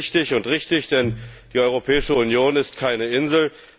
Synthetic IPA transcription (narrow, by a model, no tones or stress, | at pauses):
çtɪçʊntʁɪçtɪçd̥ɛnd̥iːʔɔʏʁopʰɛːɪʃəunjoːnɪstkʰaɪnəɪnzl̩